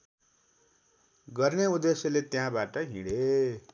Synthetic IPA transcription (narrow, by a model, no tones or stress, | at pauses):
ɡʌrneud̪esjʌlet̪jãbaʈʌɦḭ̃ɽe